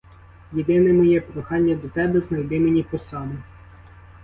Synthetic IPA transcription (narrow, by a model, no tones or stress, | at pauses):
jed̪ɪnɛmɔjɛpɾɔxɑnʲːɐd̪ɔt̪ɛbɛznɐjd̪ɪmenʲipɔsɑmɛ